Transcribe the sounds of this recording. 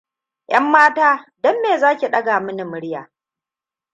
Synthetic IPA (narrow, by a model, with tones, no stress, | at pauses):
ʔɐ˦mːaː˦taː˦dɔ˦mːeː˨zaː˦kʲi˨ɗɐ˦ɡaː˨mʊ˦nɪ˨mʊ˦ɽjaː˨